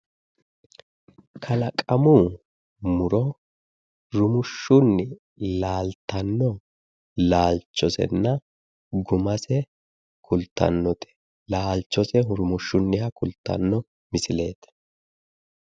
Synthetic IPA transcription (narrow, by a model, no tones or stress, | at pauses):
kʰɐlɐkʼɐmuː | mʊɾɔ | ɾʊmʊʃːʊnːɪ | laːlt̪ːɐnːɔ | laːlt͡ʃːɔsɛ̰nːɐ | ɡʊmɐsɛ | kʰʊlt̪ːɐ̰nːɔt̪ʰɛ̥ | laːlt͡ʃːɔsɛɦʊɾʊmʊʃːʊnːɪhɐkʊlt̪ːɐ̰nːɔ | mɪsɪle̞ːt̪